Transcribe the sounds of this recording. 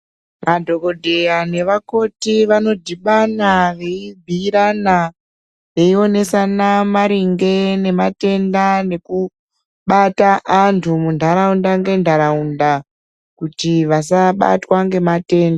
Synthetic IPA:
madʱo̞ko̞dʱe̞jane̞ʋako̞tiʋano̞diɓanaʋe̞ibʱiɾana | ʋe̞io̞ne̞sanamaɾiŋɡe̞ne̞mate̞ndane̞ku | ɓataʔːntʰumundʱaɾaundaŋɡe̞ndʱaɾaunda | kutiʋasaɓa̰twaŋɡe̞mate̞ːnda

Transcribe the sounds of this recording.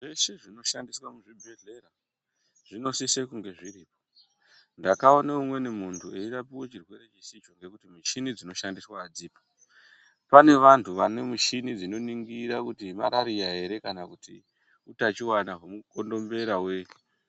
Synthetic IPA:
ʐe̞ʃe̞ʐino̞ʃandiswamuʐibʱeɮe̞ɾa | ʐ̥ino̞sisekuŋɡe̞ʐiɾiːpo̥ | ndakao̞naumwe̞nemuntʰueiɾapiwe̞t͡ʃirwe̞ɾe̞t͡ʃisit͡ʃo̞ŋɡe̞kutimiʃinid͡zino̞ʃandiswaːd͡ziːpḁ | pane̞ʋantʰuʋane̞muʃinid͡zino̞niŋɡiɾakutimaɾaɾijaɦe̞ɾe̞kanakuti | utat͡ʃiwanaɦomuko̞ndo̞mbe̞ɾaweke̥

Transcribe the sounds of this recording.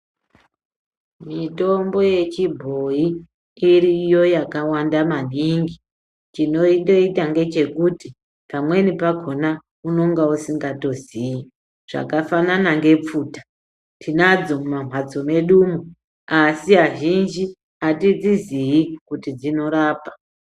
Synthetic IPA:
mito̞mbo̞je̞t͡ʃibʱo̞i | iɾijo̞jakawandaman̤iŋɡi | t͡ʃino̞indo̞itaŋɡe̞t͡ʃe̞kuti | pamwe̞nipaɡʱo̞na | uno̞ŋɡausiŋɡato̞zii | ʐ̥a̰kafananaŋɡe̞p͡fuːtḁ | tʰinad͡zo̞mumam̤wad͡zo̞me̞ɗumu | asiɦaʒind͡ʒi | atid͡ziziikutid͡zino̞ɾaːpḁ

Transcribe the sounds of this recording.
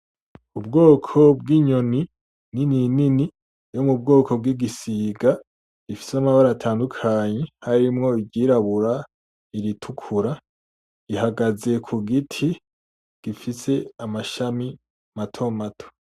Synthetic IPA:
ubɡo̞ːkʰo̞b̚ɡiːɲo̞ni | nininini | jo̞mub̚ɡo̞ːkʰo̞b̚ɡiɡisiːɡa | ifi̥samaβaɾatʰaːndukʰaɲehaɾimŋo̞iɟiːɾaβuɾa | iɾitʰukʰuɾa | ihaɡaze̞kʰuɡitʰi | ɡ̥ifise̞amaʃami | matʰo̞matʰo̥

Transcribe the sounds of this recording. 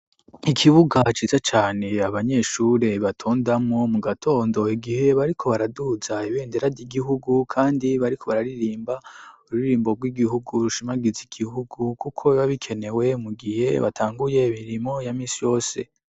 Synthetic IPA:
ikʰiβuɡat͡ʃiːzat͡ʃaːne̞aβaɲe̞ʃuːɾe̞βatʰoːndamŋo̞muɡatʰo̞ːndo̞iɡihe̞βaɾikʰo̞βaɾaduzaiβe̞ːnde̞ɾadiɡiɦuɡukʰaːndiβaɾikʰoβaɾaɾiɾiːmbauɾuiɾiːmbo̞ɡwiɡihuɡuɾuʃimaɡiziɡ̥iɦuɡukukʰo̞βaβikʰe̞ne̞we̞muɡihe̞βa̰tʰaːŋɡuje̞imiɾimo̞jamĩːsijo̞ːse̞̰

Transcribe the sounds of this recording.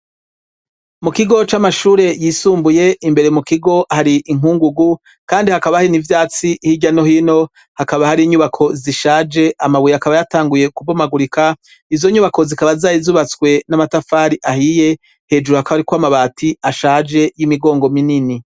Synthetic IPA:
mukiɡo̞t͡ʃamaʃuːɾe̞jiːsuːmbuje̞imbe̞ɾe̞mukiɡo̞haɾiʔiŋuːŋɡuɡu | kaːndihakaβahainivjaːt͡siʔhiɟano̞hino̞ | hakaβahaɾiːɲuβakʰo̞ziʃaːd͡ʒe̞ʔamaβujakaβajataːŋɡuje̞kuvomaɡuɾikʰa | izo̞ɲuːβako̞zikaβazaːjizuːβat͡skwe̞namatafaːɾiʔahije̞ | he̞d͡ʒuɾuhakaβaɾikwamaβaːtʰiaʃaːhd͡ʒe̞jimiɡo̞ːŋɡo̞minini

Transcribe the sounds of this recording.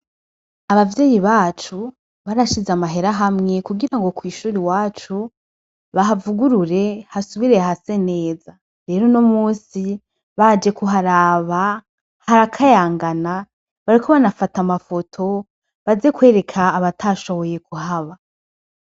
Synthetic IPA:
aβavje̞ːjiβaːt͡ʃu | βaɾaʃizamaɦe̞ɾaɦamŋe̞kuɡiɾaŋɡo̞kwiːʃuːɾiwaːt͡ʃu | βaɦavuɡuɾuɾe̞hasuβiɾe̞ahase̞ne̞ːza | ɾe̞ːɾo̞nomuːsi | βad͡ʒe̞kuɦaɾaːβa | haɾakʰajaːŋɡana | βaɾikʰo̞βanafatamafo̞tʰo̞ | βaze̞kwe̞ːɾe̞kʰaːβatʰaʃo̞βo̞je̞kuhaβa

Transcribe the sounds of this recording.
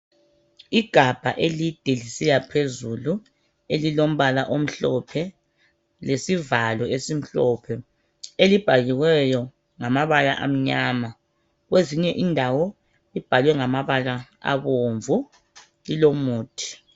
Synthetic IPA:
iɡ̥ʱab̥ʱa̰ʔelid̥ʱelisɛjapʰezulu | elilom̩βalaʔom̩ɬɔpʰɛ | lesivalɔesim̩ɬɔpʰɛ | elib̥ʱaɣiɣwɛjɔ | ŋamaβala̰ʔa̰m̩ɲaːma | ɣweziɲɛʔindʱawɔ | lib̥ʱalwɛŋamaβala | a̰βoːɱvu | lilomuːtʰʼi̥

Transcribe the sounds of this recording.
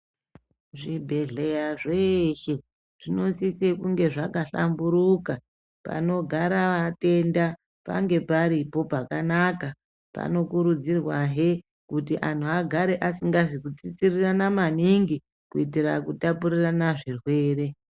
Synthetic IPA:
ʐibʱe̞ɮe̞jaʐeʃe̞ | ʐino̞sisekuŋɡe̞ʐakaɬa̰mbuɾuka | pa̰no̞ɡʱaɾaʋate̞nda | pa̰ŋɡe̞paɾipo̞pakanaka | pa̰no̞kuɾud͡zirwaɦe | kutiʔantuaɡʱaɾe̞ʔasiŋɡazikut͡sit͡siriranamaniŋɡi | kuitirakutapuɾiranaʐirwe̞ːre̞

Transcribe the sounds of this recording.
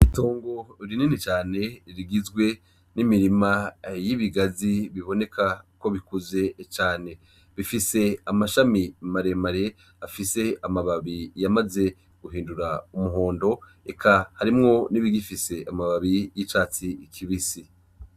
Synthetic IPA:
ito̞ːŋɡo̞ɾininit͡ʃaːne̞ɾiɡizɡwe̞ | nimiɾimajiβiɡaziβiβo̞ne̞kʰako̞βikuze̞t͡ʃaːne̞ | βifise̞amaʃamimaɾe̞maɾe̞ | afise̞amaβaβijamaze̞ | ɡ̥uɦiːnduɾaumuɦo̞ːndo̞ | ekʰahaɾimŋo̞niβiɡifise̞ʔamaβaβijit͡ʃaːt͡sikʰiβisi

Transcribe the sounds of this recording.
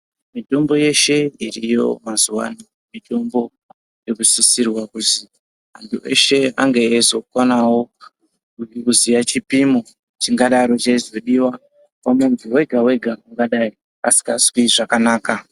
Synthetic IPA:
mito̞mbo̞je̞ʃe̞irijo̞̰mazuwa̰ni | mito̞mbo̞ | je̞kusisirwakuti | antʰuʔe̞̰ʃe̞a̰ŋɡeːzo̞kwanawo̞ | kkuzijat͡ʃipimo | t͡ʃiŋɡaɗaɾo̞t͡ʃaizo̞ɗiwa | pamunduwe̞ɡʱawe̞ɡʱauŋɡaɗai | a̰si̥kaskiʐakanaːka

